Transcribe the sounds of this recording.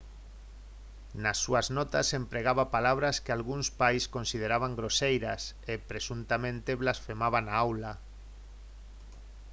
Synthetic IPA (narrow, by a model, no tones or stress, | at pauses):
nasːuaznɔt̪asempɾeɣaβapalaβɾaskealɣunspajskonsið̞eɾaβaŋɡɾosejɾasepɾesunt̪amẽnt̪eβlasfemaβanaawla